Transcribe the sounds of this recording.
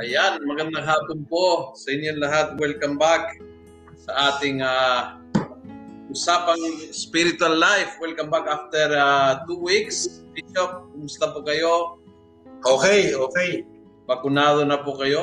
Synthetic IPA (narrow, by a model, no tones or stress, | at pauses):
ʔɐjanmɐɡɐnd̪ɐŋɦaːponposɐʔɪnjonlɐɦat̪̚wɛlkɐmbak̚ | sɐʔaːt̪ɪŋaː | ʔʊsapɐŋspiɾɪt̪ʊɐlːajfwɛlkɐmbakaft̪ɛɾat̪uwikspit͡ʃop̚kʊmʊst̪ɐpʊkɐjo | ʔoːkɛjoːkej | bɐkʊnaːd̪onɐpʊkɐjo